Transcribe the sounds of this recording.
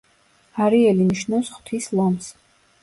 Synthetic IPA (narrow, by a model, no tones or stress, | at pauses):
aɾiɛliniʃnɔsχw̥t̪ʰislˠɔms